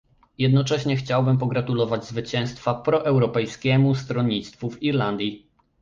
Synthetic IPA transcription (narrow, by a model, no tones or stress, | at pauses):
jɛd̪nɔt͡ʂɛɕɲɛxt͡ɕawbɘmpɔɡɾat̪ulɔvad͡ʑzvɘt͡ɕɛ̃w̃st̪fapɾɔʔɛwɾɔpɛjskʲɛmust̪ɾɔɲːit̪st̪fuviɾland̪ʲji